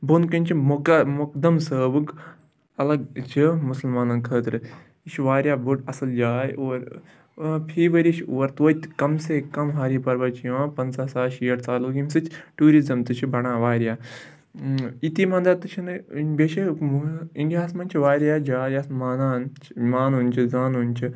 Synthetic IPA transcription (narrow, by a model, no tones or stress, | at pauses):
bunkɐnʲt͡ʃʰimukmuk̚d̪ɐmsəːbɨɡ | ɐlɐɡt͡ʃʰimʊsɐlmaːnɐnkʰəːt̪ɾɨ | it͡ʃʰʋaːɾʲjaːbuʈɐsɐld͡ʒaːjoːɾ | pʰiːʋəɾit͡ʃʰoːɾt̪oːt̪kɐmseːkɐmɦaːɾiːpɐɾʋɐt͡ʃʰijãːpɐnsaːsaːʃijɐʈt͡saːluːɡimsɨt͡ʃʰʈuːɾizɐmt̪ɨt͡ʃʰibɐɽãːʋaːɾjaː | it̪imɐ̃nd̪ɐt̪ɨt͡ʃʰinɨbeːʃe | ĩnɡʲjaːsmɐnʲt͡ʃʰiʋaːɾʲjaːd͡ʒaːjaːsmaːnaːnt͡ʃʰmaːnuːnʲt͡ʃʰizaːnunʲt͡ʃʰi